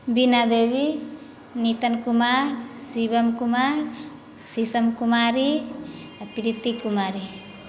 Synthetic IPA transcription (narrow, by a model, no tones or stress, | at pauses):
binad̪ewi | nit̪ankumaɾsibamkumaɾ | sisamkumaɾi | apiɾit̪ːikumaɾi